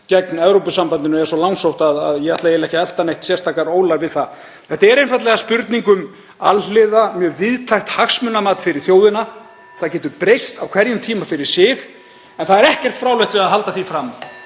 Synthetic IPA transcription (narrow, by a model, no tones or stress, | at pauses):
cɛknɛvɾowpʏsampant̪ɪnʏɛɾsɔlawŋsowht̪aðaðjɛɣat̪lajɛlɛhcaɛl̥t̪anejht̪sjɛst̪ʰaːkaɾoːwlaɾvɪðθa | θɛht̪aɛɾejnfajt̪lɛɣaspʏɾt̪niŋkʏm | a̰llɪðamjœːɾvɪðt̪ʰajxt̪haxsmʏnamaːt̪fɪɾɪɾ̥θjoːwðɪna | θaðcɛːt̪ʏpɾejst̪awkʰv̥ɛɾjʏmt̪ʰiːmafɪɾɪɾ̥sɪx | ɛnθaðɛɾɛhcɛr̥t̪fɾaːwleht̪vɪaðɦalt̪aθifɾam